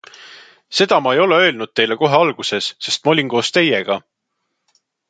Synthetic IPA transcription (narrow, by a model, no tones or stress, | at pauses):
se̞d̪̥ɑmɑejo̞le̞ø̞ːlnud̥̪̚t̪e̞jle̞ko̞ɦe̞ɑlɡ̥use̞sːe̞st̪̚mɑolʲinko̞ːst̪e̞je̞ɡ̥ɑ